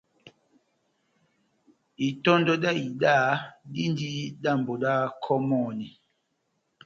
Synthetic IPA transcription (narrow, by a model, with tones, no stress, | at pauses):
i˨tɔ˦ndɔ˦da˦˨i˨da˦˨di˦ndi˦da˦˨mbo˨da˦kʰɔ˦mɔ˦˨ni˨